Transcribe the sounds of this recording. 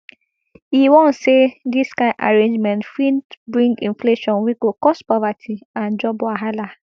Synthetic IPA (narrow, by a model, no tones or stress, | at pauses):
iwɔ̃nsediskãɪ̃nda̰ɹẽnd͡ʒmɛ̃ntfĩntbɹĩŋɡĩnfleʃɔ̃nwĩkokɔspɔvatʰiãnd͡ʒɔbwaɦala